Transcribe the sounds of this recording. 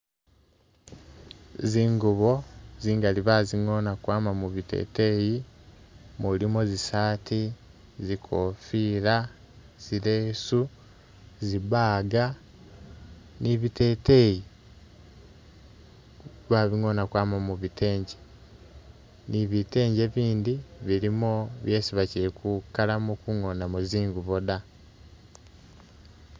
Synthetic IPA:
ziːŋɡuβo̞ziːŋɡaliβaziŋonakwaːmamuβitḛteji | mulimozisaːtʰi | zikʰofiːla | z̥ileːsu | ziβaːɡa | niβite̞ːte̞ji | βaβiŋonakwaːmamuβitʰe̞ːɲɟe | niβite̞ːɲɟeβiːndiβiɾimoβjeːsiβaciɾekukːalamukuŋonamuziːŋɡuβoda

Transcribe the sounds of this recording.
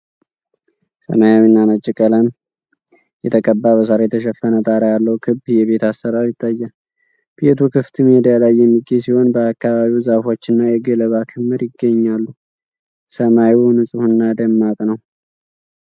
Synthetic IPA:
sə̰majawinːanət͡ʃʼːikʼələn | jɛt̪ʰəkʼəbːaβəs̬aɾajɛt̪ʰəʃɛfːənət̪ʼaɾajalːəwkʰɨbjɛβe̞t̪ʰasːəɾaɾjɪt̪ʰːajːa | b̥et̪ʰukʰɨft̪ʰɨmed̪ijalajːɛmːiɡːesiho̞nbəakːaβaβiwzafo̞t͡ʃːɨnːajɛɡələβakʰɨmːɨɾjɪɡːəɲːalːu | səmajunɨsʼɨhɨnːad̪əmːakʼnəw

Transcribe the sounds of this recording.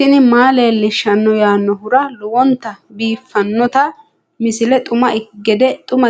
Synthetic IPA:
ɪnɪmaːle̞ːlːɪʃːɐnːɔjaːnːɔhʊɾɐlɔwɔnt̪ːɐbiːfːɐnːɔt̪ɐ | mɪsɪlɛt̪ʼʊmɐɪɡːɛd̪ɛt̪ʼʊmɐ

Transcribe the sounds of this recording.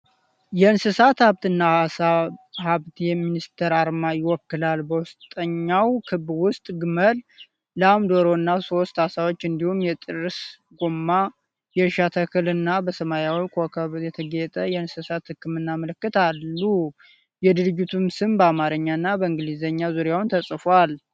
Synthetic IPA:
jɛɨnsɨsat̪haβt̪ɨnːaahaβt̪jɛminist̪ʰəɾaɾmajɪwɔkːɨlalbəwʊst̪ʼəɲːawkʰɨbwʊst̪ʼɡɨməlː | əamd̪o̞ɾo̞ɨnːaso̞st̪hasawo̞t͡ʃːɨnd̪ihumjɛt̪ʼɨrɨs | ɡomːa | jɛʃat̪ʰəkʰɨlɨnːabəsəmajawikʰokʰəβjɛt̪ʰəɡet̪ʼəjɛnɨsɨsat̪hɨkːɨmɨnːamələkːɨt̪ʰalːu | jɛd̪ɨɾɨd͡ʒːɪt̪ʰumsɨmbəamaɾəɲːaɨnːabəɨŋɡɨlizəɲːazuɾjawnt̪ʰəsʼfal

